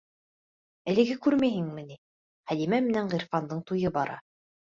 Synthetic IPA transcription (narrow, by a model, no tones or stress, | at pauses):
ælɘ̆ɡɘkʉɾmæjɦɘŋmɘ̆ni | χæd̪imæmɘ̆næɴʁiɾfɑnd̪ɤɴt̪ujɤbɑɾɑ̰